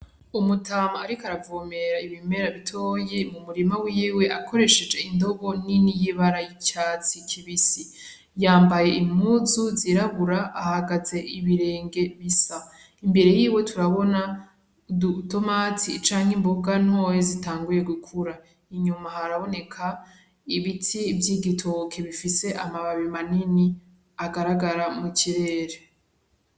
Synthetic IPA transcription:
umutʰaːmaːɾikaɾavoːme̞ɾaiβime̞ɾaβitʰo̞ːje̞mumuɾimawiwe̞ʔakʰo̞ɾe̞ʃe̞d͡ʒe̞indo̞ɡo̞ninijiβaɾajicaːt͡sikʰiβisi | jaːmbaje̞ʔimuzuziɾaβuɾaːhaɡaze̞ʔiβiɾe̞ːŋɡe̞βisa | imbe̞ɾe̞jiːwe̞tʰuɾaβo̞na | duto̞matit͡ʃaːŋ̥hemboɡanho̞ːjezitaːŋɡuje̞ɡukʰuɾa | iɲumahaɾaβo̞ne̞kʰa | iβitʰivjiːɡitʰokʰeβifise̞ʔamaβaβimanini | aɡaɾaɡaɾamucʰiɾe̞ːɾe

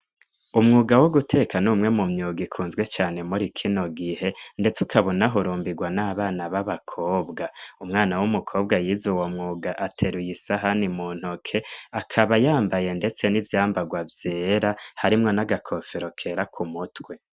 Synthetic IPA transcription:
umŋuːɡawo̞ɡutʰe̞ːkanuːmŋe̞mumɲuːɡikʰuːnzɡwe̞t͡ʃaːne̞muɾikʰino̞ɡihe̞nde̞t͡sukʰaβo̞naɦoɾuːmbiɡwanaːβaːnaβaβakʰoːbɡaumŋaːnawumukʰo̞ːbɡajiːzuwomŋuːɡaʔatʰe̞ɾujisaɦanimuːn̥hokʰe̞akʰaβajaːmbaje̞nde̞t͡se̞nivjaːmbaɡwavje̞ːɾahaɾimŋo̞naɡakʰo̞fe̞ɾo̞kʰe̞ɾakʰumutwe̞

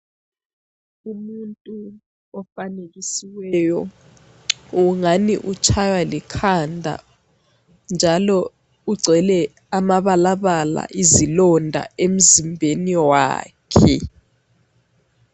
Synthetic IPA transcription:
umuntʼu | ɔfaneɣisiwɛjɔ | uŋaniʔut͡ʃʰajwalikʰandʱa̰ | nd͡ʒʱalɔ | uɡ͡ǀʱɛlɛ | amaβalaβala̰ʔizilɔndʱa̰em̩zimbʱeniwa̰ːkʰɛ̰

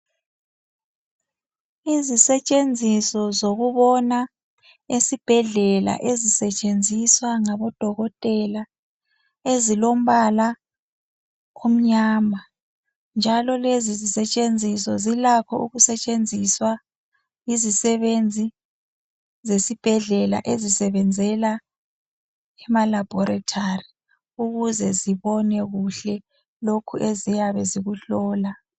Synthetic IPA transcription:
izisɛt͡ʃʼend͡zʱisɔzoɣuβɔna | esib̥ʱɛɮɛla̰ʔezisɛt͡ʃʼend͡zʱiswaŋaβɔd̥ʱɔɣɔtʼɛla | ezilom̩βala | kʰom̩ɲaːmbʱa | nd͡ʒʱalɔlezizisɛt͡ʃʼend͡zʱisɔzilakʰɔʔṵɣusɛt͡ʃʼend͡zʱiswa | izisɛβend͡zʱi | zesib̥ʱɛɮɛla̰ʔezisɛβɛnd͡zʱɛla | ɛmalab̥ʱɔɾatʰari | uɣuzɛziβɔnɛɣuɬɛ | lokʰuʔezijaβɛziɣuɬɔːla

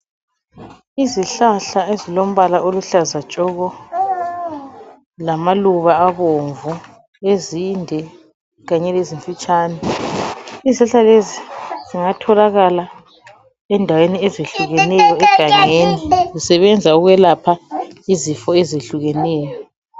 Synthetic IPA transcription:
iziɬaɬaezilom̩βalaʔoluɬazat͡ʃʼɔɣɔ | lamaluβaːβoɱvu | ezindʱɛ | ɣaɲɛleziɱfit͡ʃʼaːnɛ | iziɬaɬaleziziŋatʰɔlaɣala | ɛndʱaweniɛzeɬuɣɛnɛjɔɛɡ̥ʱaŋenizisɛβɛnd͡zʱauɣwɛlapʰaizifɔezeɬuɣɛnɛːjɔ

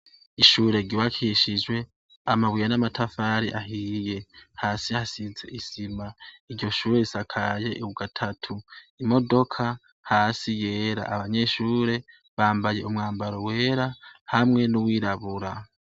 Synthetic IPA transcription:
iʃuːɾe̞ɡiwakʰiʃid͡ʒwe̞ | amaβwijanamatʰafaːɾiʔaɦiːje̞haːsihasize̞ʔisimaiɾɟo̞ʃuːɾeisakʰaje̞ʔuɡatʰatʰuimo̞do̞kʰa | haːsije̞ːɾa̰ʔaβaɲe̞ʃuːɾe̞ | βaːmbaje̞umŋaːmbaɾo̞we̞ːɾahamŋe̞nuwiːɾaβuɾa

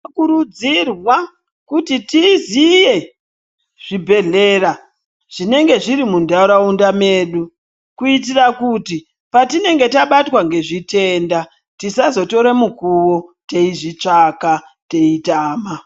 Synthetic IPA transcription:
kuɾud͡zirwa | kutitizije̞ | ʐ̥ibʱe̞ɮe̞ːɾa | ʐ̥ine̞ŋɡe̞ʐiɾimundauɾaundame̞ːɗu | kuit̬irakuti | patine̞ŋɡe̞taɓatwaŋɡe̞ʐite̞nda | tisazo̞to̞ɾemukuwo̞te̞iʐit͡ʂaka | te̞itaːma

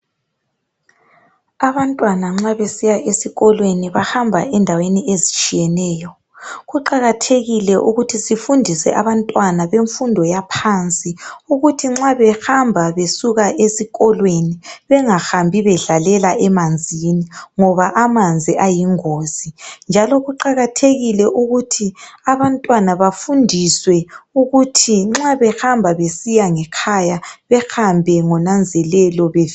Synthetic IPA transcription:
aβantʼwanaŋ͡ǁaβesijaʔesiɣɔlweniβahambʱa̰ʔɛndʱaweniezit͡ʃʼijɛnɛːjɔ | ɣuǃaɣatʰeɣilɛʔuɣutʰisifundʱisɛ̰ʔaβantʼwanaβeɱfundʱɔjapʰant͡sʼiuɣutʰiŋ͡ǁaβɛhambʱaβesuɣaʔesiɣɔlweniβɛŋaxambʱiβɛɮalɛlaʔɛmand͡zʱiniŋɔβaʔamand͡zʱiʔajiŋoːsind͡ʒʱalɔɣuǃaɣatʰeɣilɛʔuɣutʰiaβantʼwanaβafundʱiswɛuɣutʰiŋ͡ǁaβɛxambʱaβesijaŋɛkʰajaβɛxambʱɛŋɔnand͡zʱɛlɛlɔβev

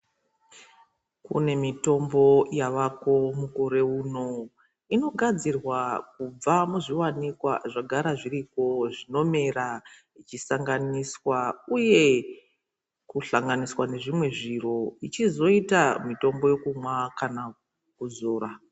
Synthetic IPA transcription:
kṵne̞mito̞mbo̞jaʋako̞mukoɾe̞uno̞ | ino̞ɡʱad͡zirwak̚ub͡vamuʐiwanikwa̰ʐaɡʱaɾaʐiriko̞ʐino̞me̞ɾa | it͡ʃisaŋɡaniswauje̞ | kuɬaŋɡaniswane̞ʐimwe̞ʐiro̞it͡ʃizo̞itamito̞mbo̞je̞kumwakana | kuzoːɾa

